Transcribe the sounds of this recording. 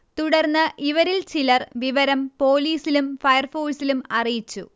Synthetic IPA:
t̪uɽɐrnːɨʔiʋɐɾilt͡ɕilɐrʋiʋɐɾɐmpo̞ːliːsilumfɐjɐrfoːlsilumɐrijit͡ɕːṵ

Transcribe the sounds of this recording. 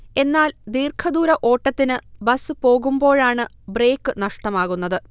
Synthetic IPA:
e̞nːaːld̪iːrkʰɐd̪uːɾɐʔoːʈːɐt̪ːinɨbɐsɨpo̞ːɣumbo̞ːɻaːɳɨ | bre̞ːkːɨnɐʂʈɐmaːɣunːɐðɨ

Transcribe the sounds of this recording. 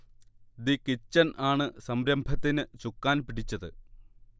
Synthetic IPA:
d̪ikːit͡ɕːɐnʔaːɳɨsɐmɾɐmbʱɐt̪ːinɨt͡ɕukːaːnpiɽit͡ɕːɐðɨ̰

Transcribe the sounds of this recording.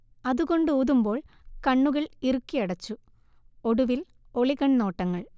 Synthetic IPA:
ɐðuɣo̞ɳɖɨuːðumbo̞ːɭ | kɐɳːuɣɐɭirukːijɐɽɐt͡ɕːu | o̞ɽuʋil | o̞ɭiɣɐɳno̞ːʈːɐŋːɐɭ

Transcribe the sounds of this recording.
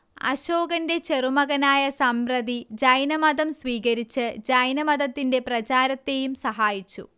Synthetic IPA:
ɐ̰ɕo̞ːɡɐnde̞t͡ɕe̞rumɐɣɐnaːjɐsɐmprɐd̪id͡ʑɐjnɐmɐd̪ɐmsʋiːɣɐɾit͡ɕːɨd͡ʑɐjnɐmɐd̪ɐt̪ːinde̞prɐt͡ɕaːɾɐt̪ːe̞jumsɐɦaːjit͡ɕːṵ

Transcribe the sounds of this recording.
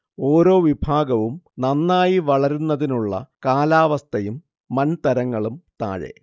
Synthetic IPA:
o̞ːɾo̞ːʋibʱaːɡɐʋumnɐnːaːjiʋɐɭɐɾunːɐðinuɭːɐ̰kaːlaːʋɐst̪ʰɐjumː | ɐnt̪ɐɾɐŋːɐɭumt̪a̰ːɻḛ

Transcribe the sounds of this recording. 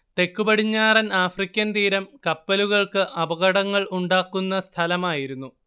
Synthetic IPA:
t̪e̞kːubɐɽiɲːaːrɐnaːfrikʲːɐnt̪iːɾɐmkɐpːɐluɣɐɭkɨʔɐbɐɣɐɽɐŋːɐɭuɳɖaːkːunːɐst̪ʰɐlɐmaːjiɾunːu

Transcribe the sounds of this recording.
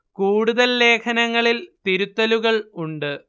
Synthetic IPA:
kuːɽuðɐlːe̞ːkʰɐnɐŋːɐɭilt̪iɾut̪ːɐluɣɐɭuɳɖɨ

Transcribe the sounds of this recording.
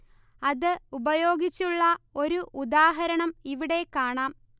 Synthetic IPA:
ɐðɨubɐjo̞ːɡit͡ɕːuɭːɐo̞ɾuʔud̪aːɦɐɾɐɳɐmiʋiɽe̞kːaːɳaːm

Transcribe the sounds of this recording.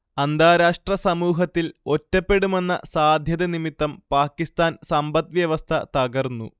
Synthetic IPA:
ɐnd̪aːɾaːʂʈrɐsɐmuːɦɐt̪ːilo̞tːɐpːe̞ɽume̞nːɐ̰saːd̪ʱjɐd̪ɐnimit̪ːɐmpaːkːist̪aːnsɐmbɐt̪̚ʋjɐʋɐst̪ʰɐ̰t̪ɐɡɐrnːṵ

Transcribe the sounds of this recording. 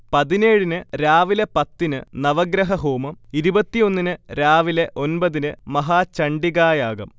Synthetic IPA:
pɐðine̞ːɻinɨɾaːʋilepɐt̪ːinɨnɐʋɐɡɾɐɦɐɦuːmɐmiɾubɐt̪ːijo̞nːinɨɾaːʋileʔo̞nbɐðinɨmɐɦaːt͡ɕɐɳɖiɣaːjaːɣɐm

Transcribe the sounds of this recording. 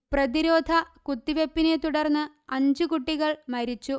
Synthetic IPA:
prɐðiɾo̞ːd̪ʱɐkut̪ːiʋepːinet̪uɽɐrnːɨ | ɐɲd͡ʑɨkuʈːiɣɐɭmɐɾit͡ɕːu

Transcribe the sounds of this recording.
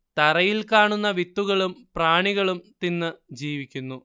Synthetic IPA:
t̪ɐrɐjilkaːɳunːɐʋit̪ːuɣɐɭumpraːɳiɣɐɭumt̪inːɨd͡ʑiːʋikʲːunːu

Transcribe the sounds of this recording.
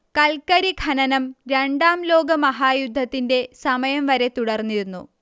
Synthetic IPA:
kɐlkɐɾiɡʱɐnɐnɐmɾe̞ɳɖaːmlo̞ːɡɐmɐɦaːjud̪ʱːɐt̪ːinde̞sɐmɐjɐmʋɐɾe̞t̪uɽɐrnːiɾunːṵ

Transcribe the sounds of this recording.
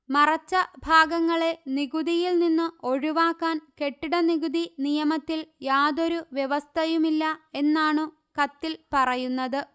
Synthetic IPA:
mɐrɐt͡ɕːɐbʱaːɡɐŋːɐɭe̞niɡuðijilninːɨo̞ɻuʋaːkːaːnke̞ʈːiɽɐniɣud̪inijɐmɐt̪ːiljaːðo̞ɾuʋjeʋɐst̪ʰɐjumilːɐe̞nːaːɳɨ | kɐt̪ːilpɐrɐjunːɐðɨ

